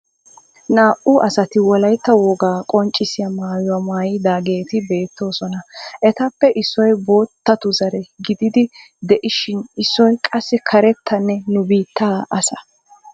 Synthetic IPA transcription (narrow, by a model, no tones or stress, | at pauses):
naːʔʊʔɐsɐt̪ɪwɔlɐjt̪ːɐwɔɡaːkʼɔnt͡ʃʼːɪsɪjɐmaːjʊwɐmaːjɪd̪aːɡe̞ːt̪ɪbe̞ːt̪ːo̞ːsɔnɐʔɛt̪ɐpːɛʔɪsːɔjbo̞ːt̪ːɐt̪ʊzɐɾɛɡɪd̪ɪd̪ɪ | d̪ɛʔɪʃɪnɪsːɔjkʼɐsːɪkʰɐɾɛt̪ːɐnːɛnʊbiːt̪ːaːʔɐsɐ̥